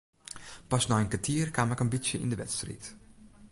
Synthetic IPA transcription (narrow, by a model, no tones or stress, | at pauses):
pɑsnaːjənkatiːrkaːmɛkənbisjəɪ̰ndəʋɛ̰tstrḭːt